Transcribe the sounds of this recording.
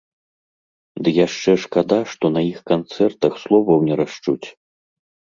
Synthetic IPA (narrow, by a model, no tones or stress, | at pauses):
d̪ɨjaʂt͡ʂɛʂkad̪aʂt̪ɔnɐjixkant̪sɛrt̪ɐxslˠɔvɐwnʲɛɾaʂt͡ʂut͡sʲ